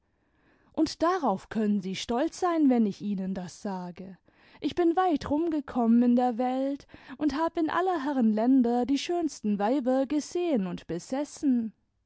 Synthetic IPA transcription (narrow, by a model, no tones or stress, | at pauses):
ʔʊntd̥aʁaʊfkʰœnənziːʃtɔlt͡sz̥aɪnvɛnɪçʔiːnəndasz̥aːɡə | ʔɪçb̥ɪnvaɪtʁʊmɡəkʰɔmənɪndeːɐvɛltʔʊnthaːbəɪnʔa̰lɐɦɛʁənlɛndɐdiːʃøːnstn̩vaɪbɐɡəzeːənʊntb̥əz̥ɛsn̩